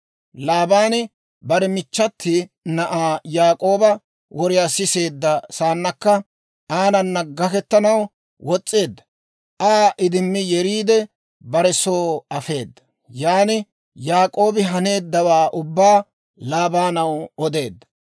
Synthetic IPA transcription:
laːbaːnɪ | bɐɾɛmɪt͡ʃːɐt̪ʰːɪnɐʔaːjaːkʼo̞ːbɐ | wʔɔɾɪjaːsɪse̞ːd̪ːɐsaːnːɐkːɐ | ʔaːnɐnːɐɡɐkɛt̪ːɐnɐw | wʔɔt͡sʼːe̞ːd̪ːɐ̥ | ʔaːʔɪd̪ɪnːɪjɛɾiːd̪ɛ | bɐɾɛsoːɐfe̞̰ːd̪ːɐ̥ | jaːnɪ | jaːkʼo̞ːbɪɦɐne̞ːd̪ːɐwaːʔʊbːaː | laːbaːnɐwɔd̪e̞ːd̪ːɐ̥

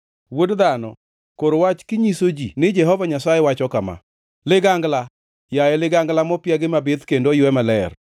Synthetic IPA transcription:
wodd̪anɔ̰ | koɾwat͡ʃkɪɲisod͡ʒinɪd͡ʒɛɦɔvaɲasajɛwat͡ʃɔkama̰ | lɪɡaŋɡla | jajɛlɪɡaŋɡlamɔpɪjaɡɪmabɪt̪kendojʊɛmalɛr

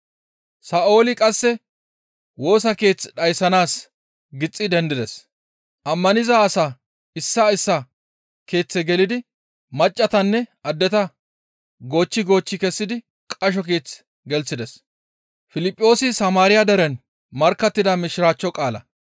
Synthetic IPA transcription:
saːʔo̞ːlɪkʼɐsːɛ | wo̞ːsɐke̞ːt͡sːᶑɐjsɐnaːs | ɡɪt͡sʼːɪd̪ɛnd̪ɪd̪ɛs | ʔɐmːɐnɪzaːsaː | ɪsːɐɪsːɐ | ke̞ːt͡sːɛɡɛlɪd̪ɪ | mɐt͡ʃʼːɐt̪ɐnːɛʔɐd̪ːɛt̪ɐ | ɡo̞ːt͡ʃːɪɡo̞ːt͡ʃːɪkɛsːɪd̪ɪ | kʼɐʃ̬ɔke̞ːt͡s | ɡɛlt͡sːɪd̪ɛs | fɪlɪpʼːo̞ːsɪsɐmaːɾɪjɐd̪ɐɾɛn | mɐɾkːɐt̪ːɪd̪ɐmɪʃɾaːt͡ʃːɔkʼaːlɐ̰

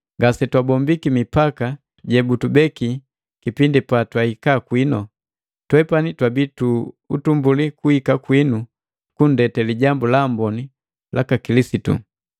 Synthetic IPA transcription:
ŋɡasɛtwabɔmbikimipaka | ɟɛbutubɛki | kipindipatwaikakwinɔ | twɛpanitwabitu | utumbulikuhikakwinu | kun̩dɛtɛliɟambulambɔni | lʔakakilisitṵ

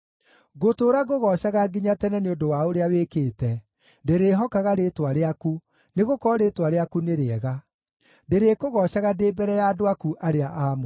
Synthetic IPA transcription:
ɣotoːɾaɣoɣɔʃaɣaɡiɲatɛnɛneondowaoɾeawekeːtɛ | deɾeɦɔkaɣaɾetwaɾeaku | neɣokɔɾeːtwaɾeakuneɾeɛɣa | ndeɾeːkoɣɔɕaɣadeːbɛɾɛjaːdoakuʔaɾeaʔaːmo

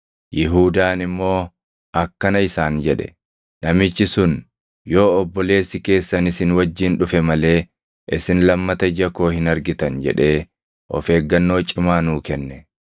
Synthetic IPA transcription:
jɪɦuːd̪aːnɪmːo̞ː | ʔɐkːɐnɐɪsaːnd͡ʒɛᶑɛ̥̰ | nɐmɪt͡ʃːɪsʊn | jo̞ːɔbːɔle̞ːsːɪke̞ːsːɐnɪsɪnwɐd͡ʒːiːnᶑʊfɛmɐle̞ː | ʔɪsɪnlɐmːɐt̪ɐd͡ʒɐko̞ːhɪnɐɾɡɪt̪ɐnd͡ʒɛ̰ᶑe̞ː | ʔɔ̰fe̞ːɡːɐnːo̞ːt͡ʃʼːɪmaːnuːkɛnːɛ

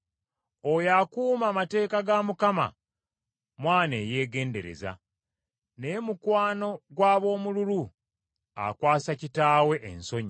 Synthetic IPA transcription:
ojakuːmaːmate̞ːkaɡamukama̰ | mwaːne̞ːje̞ːɡe̞ːnde̞ɾe̞̰za̰ | ne̞mukwaːno̞ɡwaːβo̞ːmululu | a̰kwaːsacitaːwe̞ʔḛnso̞ɲi

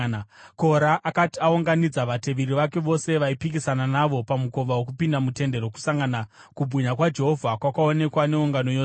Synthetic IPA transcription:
ko̞ɾaʔːkatiauŋɡanid͡zaʋate̞ʋiɾiʋake̞ʋo̞se̞ʋaipikisananaʋo̞pamuko̞ʋawok̬upindamute̞nde̞ɾo̞ku̥saŋɡana | kubʱuɲakwad͡ʒe̞ɦo̞vʱakwakao̞ne̞kwane̞uŋɡano̞jo

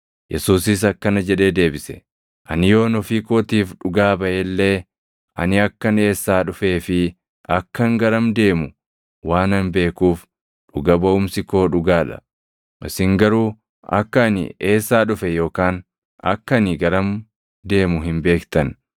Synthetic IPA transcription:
jʔɛsuːs̬ɪs̬ɐkːɐnɐd͡ʒɛᶑe̞ːd̪e̞ːbɪsɛ̥ | ʔɐnɪjo̞ːnɔfiːkoːt̪iːfᶑʊɡaːbɐʔelːe̞ː | ʔɐ̰nɪɐkːɐne̞ːsːaːᶑʊfe̞ːfɪ | ʔɐkːɐŋɡɐɾɐmd̪e̞ːmʊ | waːnɐnbe̞ːkuːf | ᶑʊɡɐbɐʊmsɪko̞ːᶑʊɡaːᶑɐ̰ | ʔɪsɪŋɡɐɾuː | ɐ̰kːɐnɪ̰e̞ːsːaːᶑʊfɛjo̞ːkaːn | ɐ̰kːɐnɪɡɐɾɐm | d̪e̞ːmʊɦɪnbe̞ːkt̪ɐn

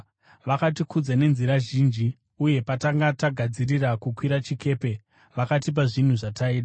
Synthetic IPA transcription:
ʋakatikud͡zane̞nziɾaʒiːnd͡ʒi | uje̞pataŋɡataɡʱad͡zirirakukwiɾat͡ʃike̞ːpe̞ | ʋakatip̬aʐin̤uʐataiːɗa

